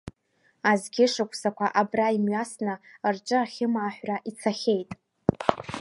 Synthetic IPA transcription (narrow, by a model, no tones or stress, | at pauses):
azɡʲɪʂɨkʷʰʼsakʷʰaʔabraimɥasnɨrʈ͡ʂʼɨaχʲɪmaːħʷᶣraʔit͡sʰaχʲe̞jtʼ